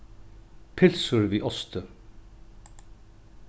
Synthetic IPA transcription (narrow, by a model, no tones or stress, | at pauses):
pʰɪlsʊɹviːʔɔst̪ʰə